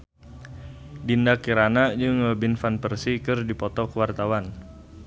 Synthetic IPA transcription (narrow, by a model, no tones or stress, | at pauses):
dindakiɾanad͡ʒɨŋəbɪnfanpərsikɨrdipɔt̪ɔkəwart̪awan